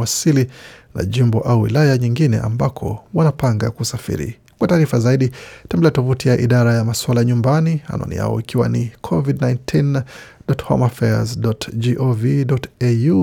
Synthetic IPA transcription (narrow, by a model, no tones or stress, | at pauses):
asilina̰ʄimbɔʔauwḭlajaɲiŋɡinɛ̰ʔa̰mbakʰɔ̰wanapaŋɡakusafḭɾḭ | kwataːɾifazaiɗitambliɛatɔvutijaʔiɗaɾajamaswalaɲumbaniha̰nɔ̰nḭja̰ɔ̰ikiwa̰nikʰɔvidnajntʰindɔthɔ̰mafɛazdɔtd͡ʒiʔoviɗɔteju